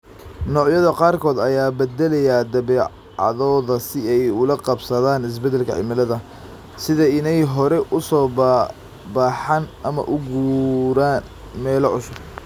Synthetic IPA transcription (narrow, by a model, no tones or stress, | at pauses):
nɔːʕjɐðɐqɑːrkʰɔːd̪ɐjaːbɛd̪ɛlɛjaːd̪ɐβɛː | ɑ̰ðɔːðɐsɪɛjʊlɐqɑbsɐðaːnɪs̬bɛd̪ːɛlkʰɐ̰ʕɪ̰mɐlɐðɐ | sɪðɐɪnɛjɦɔɾɛʔʊsɔːb | baːħɑnʔɐmɐ̰ʔʊɡuːɾaːn | mɛːlɔʕʊsʊ